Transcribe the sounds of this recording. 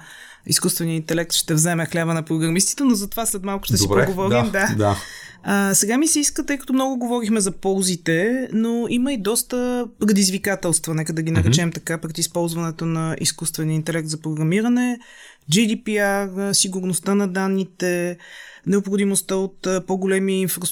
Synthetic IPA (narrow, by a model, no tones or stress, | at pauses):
ḭskust̪vɛniəint̪ɛlɛk̚t̪ʃt̪ɛvzɛmɛxlʲavənɐpɾoɡɾɐmist̪i̥t̪ɛnozɐt̪ovaslɛt̪malˠkʊ̥ʃt̪ɛsibɛɡovɔɾd̪imd̪ad̪a | əsɛɡamisɛiskət̪ɤjkət̪oʊmnɔɡʊɡovɔɾixmɛzɐpɔlˠzit̪ɛnoiməid̪ɔst̪əpɾɛd̪izvikat̪ɛlˠst̪vɐnɛkəd̪ɐɡinɐɾɛt͡ʃɛmt̪ɐkapɾɛd̪ispɔlˠzvɐnɛt̪onɐʔḭskust̪vɛniəint̪ɛlɛk̚t̪zɐpɾoɡɾɐmiɾɐnɛ | d͡ʒid̪ipiaɾsiɡʊɾnost̪anɐd̪anːit̪ɛ | nɛopxod̪imost̪əot̪poɡolɛmiːnfɾos